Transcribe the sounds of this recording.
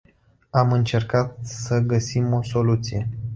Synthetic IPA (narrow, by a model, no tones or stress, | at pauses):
amɨnt͡ʃe̞rkat̪̚səɡəsimo̞so̞lut̪sije̞